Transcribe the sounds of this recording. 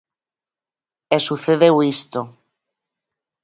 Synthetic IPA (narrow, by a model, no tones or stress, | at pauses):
esuθeðewist̪o